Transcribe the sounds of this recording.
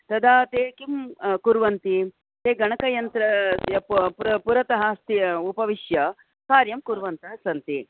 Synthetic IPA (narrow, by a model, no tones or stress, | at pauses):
t̪ɐd̪aːt̪eːkimkuɾʋɐnt̪i | t̪eːɡɐɳɐkɐjɐnt̪ɾɐppɾɐpuɾɐt̪ɐɦɐst̪iupɐʋiʃjɐ | kaːɾjɐmkuɾʋɐnt̪ɐsɐnt̪i